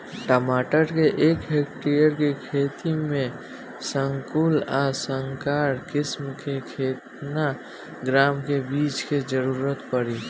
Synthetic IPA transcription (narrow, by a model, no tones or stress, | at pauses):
ʈəmaːʈəɾkeʔeːkɦekʈijəɾkekʰeːt̪imẽ | səŋkuːlasəŋkaːɾkɪsmkekʰeːt̪na | ɡɾaːmkebiːt͡ʃked͡ʒəɾuːɾət̪pəɾi